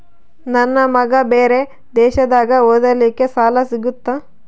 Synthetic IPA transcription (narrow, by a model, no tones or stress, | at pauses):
nɐnːɐmɐɡɐbeːɾe̞ | d̪ɛːʃɐd̪aːɡɐoːd̪ɐlikːe̞saːlɐsiɡut̪ːɐ